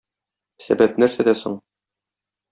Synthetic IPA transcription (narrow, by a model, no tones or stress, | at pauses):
sæ̰bæp̚næɾsæd̪æso̰ɴ